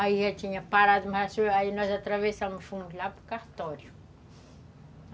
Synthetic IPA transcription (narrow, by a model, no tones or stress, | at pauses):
aiɦat͡ʃiɲəpaɾad̪imaɦaseainazat̪ɾavesamifuɡilapu̥kaht̪oɾu̥